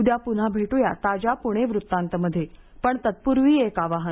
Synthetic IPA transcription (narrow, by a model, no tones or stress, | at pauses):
ud̪japun̤abʱeʈojat̪ad͡ʑapuɽ̃eʋɾut̪ːãnt̪əməd̪ʱːje | pəɳt̪ət̪̚puɾʋiːekaʋaɦən